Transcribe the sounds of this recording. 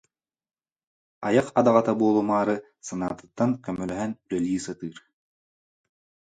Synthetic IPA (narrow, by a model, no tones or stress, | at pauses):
ajɯqad̪aʁat̪abuɔlˠumaːɾɯ | sana̰ːt̪ɯ̥t̪ːaŋkœmœlœɦɛnd̪œlʲiːsat̪ɯːɾ